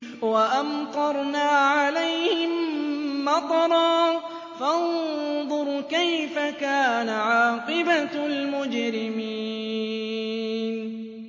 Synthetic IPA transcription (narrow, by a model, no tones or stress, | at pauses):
waʔamt̪ˤɑɾˤnaːʕalajhhɪmmːɑt̪ˤɑɾˤɑː | fand̪ˤʊɾkajfakaːnaʕɑːqɨbalmʊd͡ʒɾɪmi | n